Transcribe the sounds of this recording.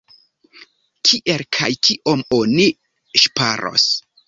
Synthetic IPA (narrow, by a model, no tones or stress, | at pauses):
kʰiʔelkʰajkʰiʔo̞moni | ʃpa̰ɾʔo̞̰s